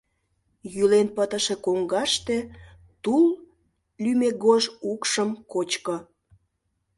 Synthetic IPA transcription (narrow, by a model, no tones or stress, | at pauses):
jylenpət̪əʃekoŋɡɑʃt̪e | t̪ul | lymeɡoʒukʃəmkot͡ɕkə